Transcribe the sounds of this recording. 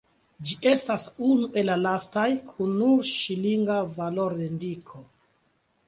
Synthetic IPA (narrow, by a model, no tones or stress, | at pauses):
d͡ʒiʔe̞stasunuʔe̞lːalastajkʰunːuɾʃiliŋɡavalo̞ɾendikʰo̞